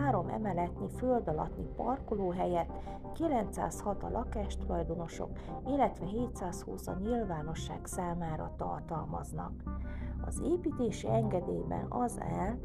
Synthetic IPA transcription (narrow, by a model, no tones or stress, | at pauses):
aːɾo̞mʔɛ̰mɛlɛt̪niføld̪ɒlɒ̰t̪nipɒrkoloːɦɛjɛt̪ː | kilɛnt̪sa̰ːshɒt̪ɒlʔɒkaːʃt̪olɒjd̪ono̞ʃo̞̰k | ilːɛt̪ʋɛɦeːt̪saːshuːsɒɲilvaːno̞ʃːa̰ːksaːmaːɾɒ̰t̪ɒ̰rt̪ɒlmɒznɒ̰kɒzeːpiːt̪eːʃiɛŋɡɛd̪eːbɛ̰nɒzɛl